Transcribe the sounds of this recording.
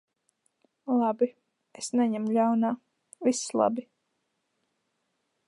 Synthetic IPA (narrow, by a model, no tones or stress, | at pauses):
lˠabi | esnɛɲɛmʎʲawnaː | vislˠa̰bi